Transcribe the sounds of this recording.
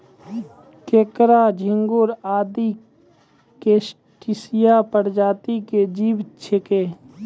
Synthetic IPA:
keːkɾad͡ʒʱɪŋɡoːɾaːd̪i | keːs | ʈɪsɪjapəɽd͡ʒaːt̪iked͡ʒiːbt͡ʃʰekeː

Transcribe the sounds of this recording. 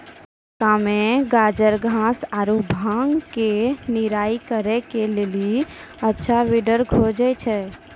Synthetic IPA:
kameɡad͡ʒəɾɡʱãsaɾubʱãŋɡkeniɾaikəɾɛkeleliətːʃʰaʋiɖəɾɡʱod͡ʒɛt͡ʃʰɛ

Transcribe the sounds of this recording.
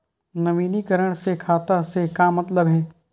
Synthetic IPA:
nɐʋiːnikəɾəɽ̃sekʰaːt̪asekaːmɐt̪ləbɦɛː

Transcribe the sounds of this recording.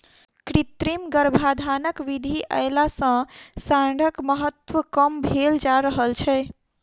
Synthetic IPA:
kɾit̪ɾimɡəɾbʱad̪ʱanəkʋid̪ʱiʔa̰jlasə̃saɖʱəkməɦət̪ʋəkəmbʱeld͡ʒaɾəɦəlt͡ʃʰɛ

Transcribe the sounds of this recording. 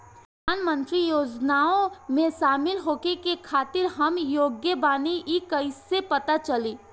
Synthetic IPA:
pɾəd̪ʱaːnmə̃nt̪ɾijoːd͡ʒnaːõmẽsaːmɪlɦoːkekekʰaːt̪ɪɾɦɐmjoːɡjəbaːniʔikɐɪsepɐt̪at͡ʃɐliː

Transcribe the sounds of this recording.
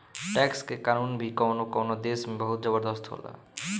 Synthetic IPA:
ʈɛkskekanunbʱikɔwnokɔwnod̪esmebɔɦut̪d͡ʒɔbɔɾd̪ɔst̪ɦo̰la̰

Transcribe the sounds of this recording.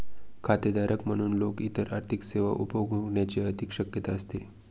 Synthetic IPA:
kʰat̪ed̪aɾʔəkm̤əɽ̃uːnlokit̪əɾʔa̰ɾt̪ʰikseʋa̰ʔupjoɡuɡɳjat͡ɕeəd̪ikɕəkjət̪aəst̪e

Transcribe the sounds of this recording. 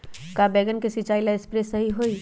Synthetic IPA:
kabɛːɡənkesit͡ʃaːilaespɾesɐɦiɦoːi

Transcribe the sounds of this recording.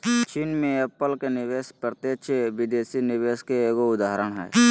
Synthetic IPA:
t͡ʃiːnmẽepəlkenɪʋeːspəɾt̪et͡ʃʰeʋɪd̪eːsinɪʋeːskeeːkoʊd̪aːɦɾəɽ̃ɦɛ̰ː

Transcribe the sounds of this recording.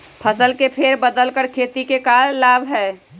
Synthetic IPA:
pʰəsəlkepʰeɾbəd̪əlkəɾkʰet̪ikekalːaːbʱɦɛː

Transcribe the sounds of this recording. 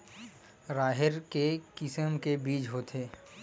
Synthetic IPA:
ɾaːɦɪɾkekɪsəmkebiːt͡ʃɦoːt̪eː

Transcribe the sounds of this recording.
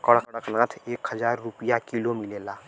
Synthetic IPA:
kəɽəkɽəknãt̪ʰekɦəd͡ʒaɾːupijakilomilela

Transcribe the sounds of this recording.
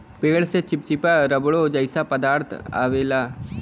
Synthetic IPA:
peːɭset͡ʃɪp̚t͡ʃɪpaɾəbɭod͡ʒəɪsapəd̪aːɾt̪ʰa̰ːʋeːlaː

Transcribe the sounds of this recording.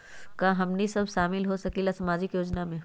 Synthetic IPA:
kaɦɐmnisɐbʱʃaːmɪlɦosɐkilasɐmaːd͡ʒɪkjoːd͡ʒnamẽː

